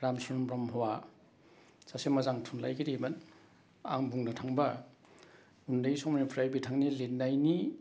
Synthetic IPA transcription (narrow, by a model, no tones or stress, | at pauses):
ɾamsɔɾɔmbɾɔmɦɔwa | sasemazaŋtʰunlajɡiɾiman | a̰ŋbuŋnatʰaŋba | undajsɔmanipʰɾajbitʰaŋnilet̚najni